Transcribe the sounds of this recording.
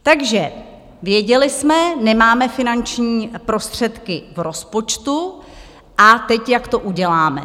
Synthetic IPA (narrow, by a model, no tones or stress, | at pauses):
t̪aɡʒɛ | vjɛɟɛlɪsmɛnɛmaːmɛfɪnant͡ʃɲiːpɾo̞st̪r̝̥ɛt̪kɪvɾo̞spo̞t͡ʃt̪u | ʔat̪ɛcjakt̪o̞ʔuɟɛlaːmɛ̰